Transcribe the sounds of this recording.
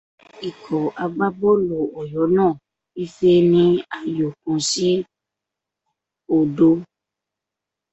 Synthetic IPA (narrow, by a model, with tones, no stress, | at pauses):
i˨kʰɔ˨a˧ɡ͡ba˦bɔ˦lo˨ɔ˨jɔ˨˦nãː˦˨ | i˦fe˦nĩ˧a˦˨jo˨k̚ũ˨˧si˦ | o˨do˧